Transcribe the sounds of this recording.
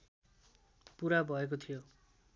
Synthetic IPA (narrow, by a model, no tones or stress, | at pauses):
puɾabʱʌek̬ot̪ʰijo